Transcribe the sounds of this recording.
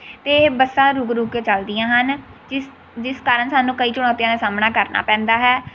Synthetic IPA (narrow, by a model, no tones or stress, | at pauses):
t̪eːbəsãːɾuɡɾuːɡt͡ʃəld̪ɪjãːɦənd͡ʒɪ | d͡ʒɪskaːɾəɳsaːnũːkəiːt͡ʃʊɽ̃ãːt̪ijãːnãsaːmnaːkəɾna̰ːpɛ̃ːnd̪aːɦɛː